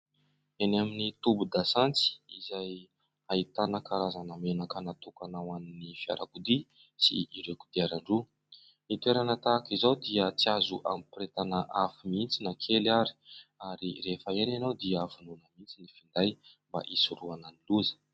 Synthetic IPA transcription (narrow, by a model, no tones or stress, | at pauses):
enaminit̪ubud̪asant͡si̥izaj | ait̪anəkaɾazanamenakənat̪ukanawaninifia̰ɾʔa̰kud̪i | sḭʔiɾekud̪iaɾaɳɖ͡ʐu | it̪ueɾanat̪aːkizawd̪iət͡siazuʔa̰mipɾet̪anəʔafimint͡sinakʰelaɾi̥aɾirefəenanawd̪iavununəmint͡sinifind̪aj | mba̰ʔisuɾuananiluzə̥